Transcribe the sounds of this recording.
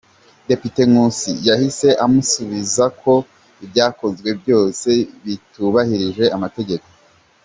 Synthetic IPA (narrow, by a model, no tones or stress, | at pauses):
de̞pite̞ŋusḭjahise̞ʔamusuβizakʰo̞ | ibjaːko̞zɡwe̞bjo̞ːse̞βituβahiɾiʒɡwe̞ʔamate̞ɡe̞ko̥